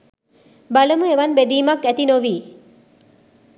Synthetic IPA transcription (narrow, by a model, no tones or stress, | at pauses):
baləmueʋɐnbed̪iːmɐkːæt̪inoʋiː